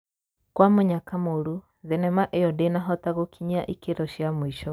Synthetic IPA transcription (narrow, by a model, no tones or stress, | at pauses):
kwamoɲakamoɾu | ðenɛmaʔejɔdenaɦɔtaɣokʰiɲaʔikeɾɔʃjamwiʃɔ